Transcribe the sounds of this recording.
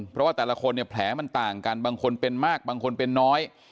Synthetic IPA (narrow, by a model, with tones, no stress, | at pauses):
npʰɾɔ˦˥waː˥˩t̪ɛː˨˩la˦˧˥kʰo˧nːi˥˩ɐpʰlɛː˩˦ma˧nt̪aː˨˩ŋka˧nbaː˧ŋkʰo˧npe˧nmaː˥˩k̚baː˧ŋkʰo˧npe˧nːɔː˦˥j